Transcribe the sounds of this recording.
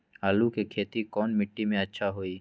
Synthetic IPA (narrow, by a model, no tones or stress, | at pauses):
aːlukekʰeːt̪ikɔːnmɪʈːimẽɐtːʃʰaɦoːiː